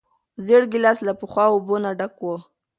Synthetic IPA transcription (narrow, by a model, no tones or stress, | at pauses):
zeɽɡilɑslapəxwɑobonaɖakwo